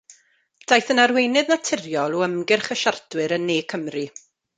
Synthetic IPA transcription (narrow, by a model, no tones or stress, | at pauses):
d̥ajθənarwejnɨðnatʰɪrjɔlˠɔəmɡɪrχəʃardwɨɾənːeːkʰəmri